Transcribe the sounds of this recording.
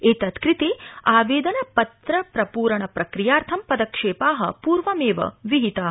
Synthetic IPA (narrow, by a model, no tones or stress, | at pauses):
eːt̪ɐt̪kɾit̪eːaːʋeːd̪ɐnɐpɐt̪ɾɐpɾɐpuːɾɐɳɐpɾɐkɾijaːɾt̪ʰɐmpɐd̪ɐkʂeːpaːɦɐ̰puːɾʋɐmeːʋɐ̰ʋiɦit̪aː